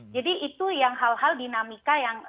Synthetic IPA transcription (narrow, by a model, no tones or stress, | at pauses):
d͡ʒadiʔit̪ujaŋɦalɦaldinamikajaŋ